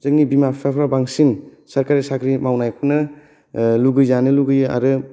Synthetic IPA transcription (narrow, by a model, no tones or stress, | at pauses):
zɯŋnibimapʰepʰɾabaŋsin | sɐɾkaɾisakʰɾimawnajkʰunɯ | luɡɯjzanɯluɡɯjɯa̰ɾɯ